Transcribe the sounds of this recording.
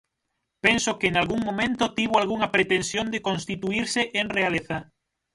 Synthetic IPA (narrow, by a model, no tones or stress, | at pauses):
pensokenalɣuŋmõmẽnt̪ʊt̪iβ̞oalɣuŋɐpɾet̪ensjond̪ekõnst̪it̪uiɾseʔeŋrealeθa